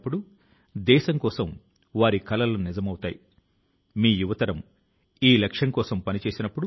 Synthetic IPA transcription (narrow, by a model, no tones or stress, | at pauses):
pːuɽu | d̪ɛːʃɐŋkɔːsɐm | ʋaːɾikɐlɐlunizɐmɐwut̪aːji | miːjuʋɐt̪ɐɾɐm | iːlɐkʂɐŋkɔːsɐmpɐnit͡ʃe̞ːsinɐpːuɽu